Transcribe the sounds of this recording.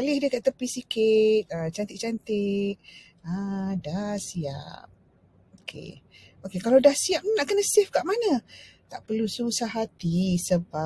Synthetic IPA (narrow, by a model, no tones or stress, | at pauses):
alɪhdəkaəpisikɪt̪̚ət͡ʃant̪ɪʔ̚t͡ʃant̪ɪk̚ | ãdasia̰p̚ | okʰḛ | okekalawdahsiap̚naʔkənəsɪfkaʔmanət̪aʔpərlusəusaɦat̪isəba